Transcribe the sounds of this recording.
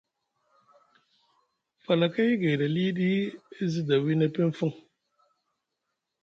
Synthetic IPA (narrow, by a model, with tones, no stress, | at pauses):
fa˨la˨ka˦ji˦ɡe˨ɗa˨li˦ɗi˦i˦zi˦da˨wi˦nə˦pe˦n˦fu˦˨ŋ